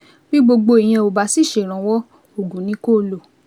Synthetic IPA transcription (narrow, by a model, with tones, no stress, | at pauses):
bi˦ɡ͡bo˧ɡ͡bo˧i˨j̃ã˧o˨ba˨˧si˦˨ʃe˨ɾ̃ã˨wɔ˦ | o˨ɡũ˨˦nĩ˦ko˦lo˨